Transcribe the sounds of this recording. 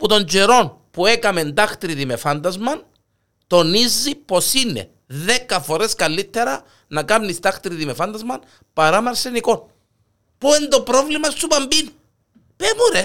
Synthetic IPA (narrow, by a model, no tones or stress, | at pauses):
put̪o̞ɲd͡ʒeɾo̞n | pue̞kɐme̞nd̪ɐxt̪ɾiðimefɐnd̪ɐzmɐn | t̪o̞nizːipo̞sinːḛ | ðe̞kːɐfo̞ɾeskɐlːit̪ːe̞ɾɐ | nɐkɐmnist̪ɐxt̪ɾiðimefɐnd̪ɐzmɐn | pɐɾɐmɐɾseniko̞n | puend̪o̞pɾo̞vlimɐst̪upɐmbin | pemuɾe